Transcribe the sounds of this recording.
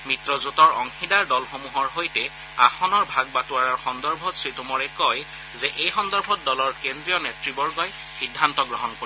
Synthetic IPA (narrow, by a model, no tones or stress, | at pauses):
mitɹɔzutɔɹɔŋxidaɹdɔlxomuɦɔɹɦojtɛ | axɔnɔɹbʱaɡ̚batuaɹɔɹxɔndɔɹbʱɔtsɹitumɔɹɛkɔj | zɛʔejxɔndɔɹbʱɔt̚dɔlɔɹkendɹiɔnetɹibɔɹɡɔj | xidʱːantɔɡɹɔɦɔnkoi